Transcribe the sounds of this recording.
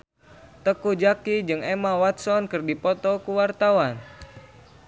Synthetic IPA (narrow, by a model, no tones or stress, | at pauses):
t̪əkud͡ʒakid͡ʒɨŋɛmawat̪̚sɔnkɨrdipɔt̪ɔkuwart̪awan